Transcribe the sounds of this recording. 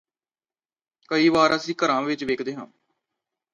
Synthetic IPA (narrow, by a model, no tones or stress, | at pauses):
kəiːʋaːɾʔəsĩːkəɾãːʋɪt͡ʃʋeːkʰd̪eːɦãː